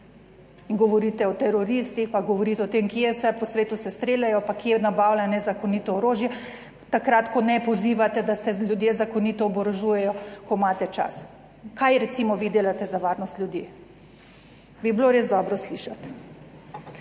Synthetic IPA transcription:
iŋɡɔʋɔɾit̪ɛɔt̪ɛɾɔɾiːst̪ixpaɡɔʋɔɾiːt̪ɛɔt̪emkiɛwsɛpɔsʋeːt̪usɛst̪ɾeːlʲjajɔpakjɛnabawlanɛzakoniːt̪ɔːɾoːʒjɛ | t̪akɾat̪kɔnɛpɔziːʋat̪ɛd̪asɛlʲjud̪jezakonit̪ɔːbɔɾoʒujɛjɔkɔmaːt̪ɛt͡ʃa̰s | kajɾɛt̪siːmɔʋiːd̪eːlat̪ɛzaʋaːɾnɔst̪lʲjud̪je | bibloɾezd̪ɔbɾɔsliːʃat̪

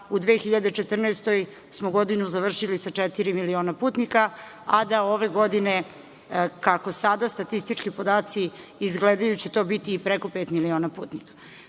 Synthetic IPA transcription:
ud̪ʋeːxiʎad̪e̞t͡ʃet̪r̩neːst̪o̞j | smoɡo̞d̪inuzaʋr̩ʃilisat͡ʂɛt̪iɾimilio̞ːnapuːt̪nika | ad̪ao̞ʋe̞ɡo̞d̪ine | kako̞sad̪ast̪at̪ist̪it͡ʃkipo̞d̪aːt̪siː | zɡled̪ajut͡ɕet̪o̞ːbit̪iːpɾeko̞peːt̪milio̞ːnapṵːt̪nikḁ

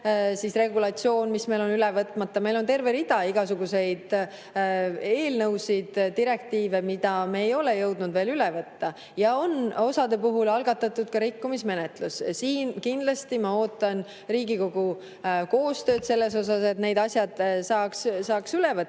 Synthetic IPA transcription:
sisre̞ɡulɑt̪sio̞ːnmisme̞jlonylɛvɤt̪ˑmɑt̪ːɑme̞jlo̞nt̪e̞rve̞ɾid̪ɑiɡ̥ɑsuɡuse̞jd̪̥ | e̞ːlnɤwsid̪̥d̪iɾe̞k̚t̪iːve̞mid̪̥ɑmeːjo̞lejɤwd̪nud̪ve̞ːlylɛvɤt̪ːɑ | jɑo̞no̞sɑd̪e̞puɦulɑlɡ̥ɑt̪ːˑɑt̪ːˑud̪̥kɑɾikːumisme̞net̪lussiːnkind̪lɑst̪imɑo̞ːt̪ːˑɑn | riːɡiko̞ɡ̥u | ko̞ːst̪ø̞ːd̪se̞lːe̞s̬o̞s̬ɑse̞t̪ne̞jd̪ɑsʲjɑd̪̥sɑːkssɑːksylevɤ

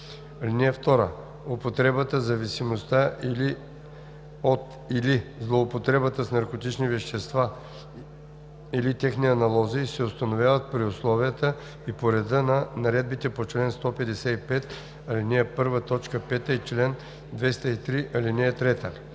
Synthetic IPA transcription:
ɐlinɛɛft̪ɔɾə̰ | opot̪ɾɛbət̪əzɐvisimost̪aʔili | ot̪ | ilizlˠoːpot̪ɾɛbət̪əsnɐɾkot̪it͡ʃnivɛʃt̪ɛst̪va | ilit̪ʲɛxniɐnɐlˠɔzisɛʊst̪ɐnovʲjavət̪̚pɾioslˠɔvijət̪ə | ipoɾɛd̪ənɐnɐɾɛd̪̚bit̪ɛpot͡ʃlɛnst̪ɔpɛd̪ɛsɛipɛt̪ | ɐlinɛɛpɤɾvət̪ɔt͡ʃkəpɛt̪əit͡ʃlɛn | d̪vɛst̪əit̪ɾiʔɐlinɛːt̪ɾɛt̪ə

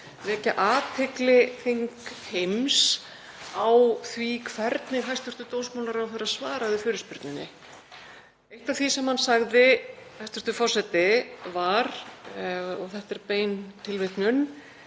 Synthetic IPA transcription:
vɛːcaʔaːt̪ʰeklɪθiŋkhejms | awθvikʰv̥ɛɾt̪nɪɣɦajst̪ʏ̥t̪ʏt̪oːwsmawlaɾawθɛɾɪaðsvaːɾaðɪfʏːɾʏspʏɾt̪nɪnːɪ̰ | ejht̪av̥θisɛmhanːsaɣðɪhajst̪ʏɾt̪ʏfɔr̥sɛt̪ɪvaɾ | ɔɣθɛht̪ɛɾpeːjnt̪ʰɪlveht̪nʏnː

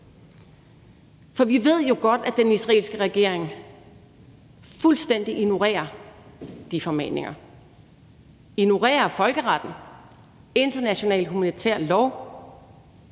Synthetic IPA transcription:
fɒ̽ʋiʋe̝ð̞̰ˠjo̝ɡ̥ɒ̽d̥æd̥enisʁɛ̰ːlsɡ̥əʁɛɡ̥e̝ɐ̰eŋ | fulsd̥en̰d̥iʔino̝ʁḛːɐ | d̥ifɒ̽mḛne̝ŋɐ | ino̝ʁḛːɐfɒ̽lɡ̥əʁɑd̥n̩ | e̝nd̥ɐnæɕo̝nɛ̰ːld̥humænit͡sʰæɐ̰lɒʊ

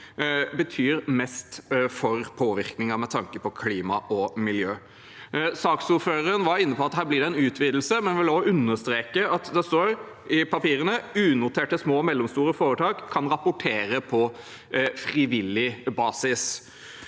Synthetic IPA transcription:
bət̪ʰyːɾmɛst̪fɔɾpʰoːʋɪɾknɪŋɑmɛt̪ʰɑŋkəpʰɔkʰliːmɑʔɔmɪljøː | sɑːksuːɾføːɾəənʋɑɪnːəpɔɑt̪ɦæːɾblɪɖɛɛnʉːt̪ʰʋiːd̪l̩səmɛnʋɪloʔʉnːəst̪ɾeːkəɑt̪d̪ɛst̪oːɾ | ɪpʰɑpiːɾənəʉːnʊt̪ʰeːʈəsmoːmɛlːɔmst̪uːɾəfoːɾət̪ʰɑːkʰːɑnɾɑpːʊʈʰeːɾəpʰɔ | fɾɪʋɪlɪbɑːsɪs

